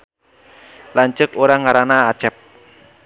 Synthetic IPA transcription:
laɲt͡ʃəkoɾaŋaɾanaːt͡ʃɛp̚

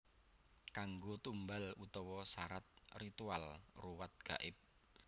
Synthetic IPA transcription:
kaŋɡot̪umbalut̪ɔwɔsaɾat̪̚rit̪ualruwat̪̚ɡ̥a̰ʔɪp̚

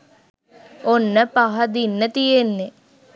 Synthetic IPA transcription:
onːəpaɦɐd̪inːət̪ijenːe

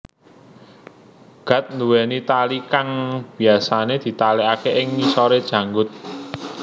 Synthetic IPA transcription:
ɡ̥a̤t̪̚nd̪uwɛnit̪alikaŋb̥i̤asaned̪̥i̤t̪aleakeʔɪŋmisɔɾed̥ʒ̥ä̤ŋɡʊt̪̚

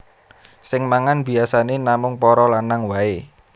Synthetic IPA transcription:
sɪŋmaŋanb̥i̤asanenamʊŋpɔɾɔlanaŋwae

